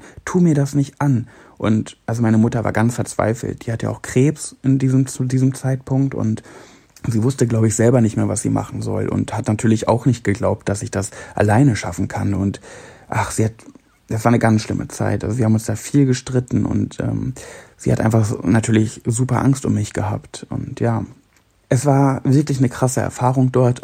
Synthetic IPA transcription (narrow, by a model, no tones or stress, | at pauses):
tʰuːmiːɐdasnɪçtʔan | ʔʊntʔalzomaɪnəmʊtɐva̰ɐɡansfɛɐt͡sv̥a̰ɪfl̩̰t̚d̥iːhatəja̰ːʔaʊxkʁ̥eːpsʔɪndiːzəmt͡sudiːzəmt͡saɪtpʰʊŋk̚tʊ̰nt | ziːvʊstəɡlaʊbəɪçz̥ɛlbɐnɪçtmeːɐvasz̥ḭːma̰χn̩zɔ̰lʔʊ̰nthatnatʰyːɐlɪça̰ʊxnɪçt̚ɡ̥əɡlaʊp̚t̚d̥asɪçd̥asʔa̰laɪnəʃafn̩kʰanʊntʔaχz̥iːhat | d̥asv̥aːɐnəɡansʃlɪmʔə̰t͡sa̰ɪtʔa̰lzoviɐhabmʊnsd̥aːfiːlɡəʃtʁ̥ɪtn̩ʔʊ̰ntʔɛ̰ːmz̥iːha̰tʔa̰ɪnfaχnatʰyːɐlɪçzuːpɐʔaŋstʊmːɪçɡ̥əha̰ːptʔʊ̰ntjaː | ʔɛsv̥aːɐvɪɐklɪçnəkʁ̥asəʔɛ̰ɐfaːʁ̞ʊŋd̥ɔɐt